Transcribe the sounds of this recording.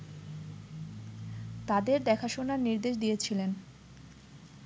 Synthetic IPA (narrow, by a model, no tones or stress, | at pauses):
t̪ad̪eɾd̪ɛkʰaʃonaɾniɾd̪eʃd̪ijet͡ɕʰilen